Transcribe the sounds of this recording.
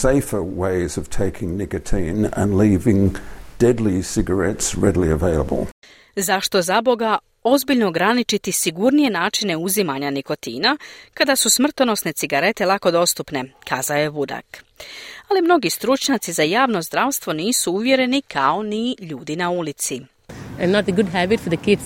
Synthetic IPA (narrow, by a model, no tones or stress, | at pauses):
seɪfə˞weɪzʌv̥tʰeɪkʰɪ̃ŋnɪkɨtʰĩnə̰̃nlivɪ̃ŋd̥ɛdˡlisɪɡə˞ɛtsɹɛdlˠiə̰veɪlˠə̰bə̰l̩ˠ | zaʃt̪o̞zabo̞ɡa | o̞zbiʎno̞ːɡɾanit͡ʃit̪isiɡuɾnije̞naːt͡ʃine̞uzimaɲanikot̪ḭːnakad̪asusmr̩t̪ono̞sne̞t̪siɡaɾe̞t̪e̞lako̞d̪o̞st̪upne̞kʰaːzaojeʋud̪a̰k | alimno̞ɡist̪ɾut͡ʃɲat̪sizajaːʋno̞zd̪ɾaʋst̪ʋo̞niːsuuʋje̞ɾe̞nikʰao̞niʎuːd̪inaulit̪si | ãnɔt̚əɡʊdɦæbɪtfɔðəkɪd